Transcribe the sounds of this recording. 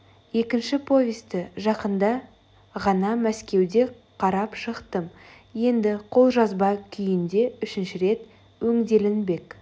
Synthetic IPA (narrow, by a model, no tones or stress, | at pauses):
je̞kʲɪnʃɪpʰo̞jest̪ɪʒɑqənd̪ɑ | ʁɑnɑmæskʲe̞wd̪e̞ | qʰɑɾɑpʃəqt̪əm | je̞nd̪ɪqʰo̞lˠʒɑzbɑkʲʰʏjɪnd̪e̞ʏʃɪnʃɪɾe̞t̪ | wɵŋd̪e̞lɪnbe̞k